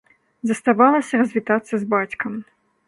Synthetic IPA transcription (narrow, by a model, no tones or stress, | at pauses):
zɐst̪avalˠɐsʲɐrɐzʲvʲit̪at̪sːɐzbat͡sʲkɐm